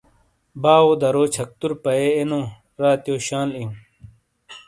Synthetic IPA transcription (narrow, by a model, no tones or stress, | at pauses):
baːod̪ɐɾoːt͡ɕʰɐk̚t̪uɾpɐeenõː | ɾaːt̪joːɕaːliũ